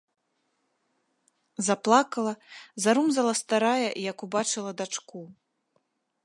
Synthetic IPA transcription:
zaplˠakɐlˠɐzaɾumzɐlˠɐst̪aɾajɐʔijɐkubat͡ʂɨlˠɐd̪at͡ʂku

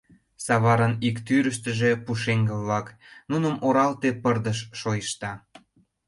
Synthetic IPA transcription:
sɑβɑɾənikt̪yɾəʃt̪ə̆ʒĕpuʃeŋɡə̆βlɑk | nunəmʔoɾɑlt̪epərd̪əʃʃojəʃt̪ɑ

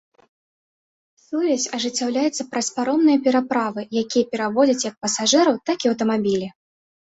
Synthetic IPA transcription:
suvʲɛsʲɐʐɨt͡sʲːawlʲajɛt̪sːɐpɾɐspaɾɔmnɨjɐpʲɛɾapɾavɨjakʲijɐpʲɛɾavɔd͡zʲɐt͡sʲjɐk̚pɐsaʐɨɾɐwt̪akiɐwt̪ɐmabʲilʲi

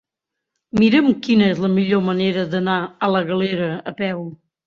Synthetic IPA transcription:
miɾəmkinəezləmiʎoməneɾəðənaələɣəleɾəəpɛw

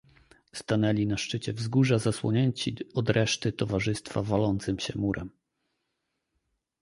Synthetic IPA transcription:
st̪anɛlʲinaʂt͡ʂɘt͡ɕɛvzɡuʐazaswɔɲɛɲt͡ɕiɔd̪ɾɛʂt̪ɘt̪ɔvaʐɘst̪favalɔnt̪sɘmɕɛmuɾʔɛm

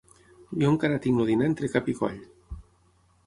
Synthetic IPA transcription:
bioŋkaɾat̪iŋnoðinaent̪ɾekapikɔ̰ʎ

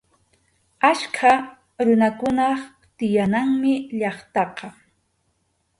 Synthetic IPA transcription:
aʃkʰa | ɾʊnakʊnɑχ | t̪ɪjanaŋmɪʎɑχt̪ɑqɑ

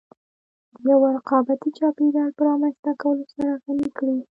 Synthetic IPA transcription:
d̪əjawaɾaqɑbat̪it͡ʃɑped̪ɑɾpəɾɑmanzt̪akawəlosaɾaɣanikɽi

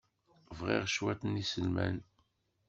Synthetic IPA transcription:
vʁḭʁʃwæt̪ənisəlmæ̰n

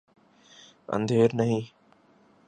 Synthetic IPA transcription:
ə̰̃nd̪ʱeːɾnəɦĩː

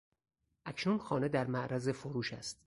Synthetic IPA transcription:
ʔæcʰnunxɒːne̞d̪æɾmæʔɾʔæze̞foɾuːʃæ̰st̪

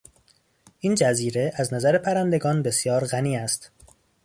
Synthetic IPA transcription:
ʔiːnd͡ʒæziːɾe̞ʔæznæzæɾepʰæɾænd̪e̞ɡɒːnbe̞sjɒːɾɣæniːæst̪

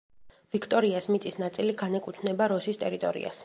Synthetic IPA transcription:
v̥ikʰt̪ʼɔɾiasmit̪sʼisnat̪sʼiliɡanɛkʼut̪ʰnɛbaɾɔsist̪ʼɛɾit̪ʼɔ̰ɾḭa̰s

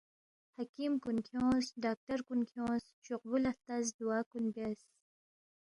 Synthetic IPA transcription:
hakimkunkʰjõːsɖɑːk̚ʈaɾkunkʰjõːs | t͡ʃuqbulat̪azd̪uwɑːkunbes

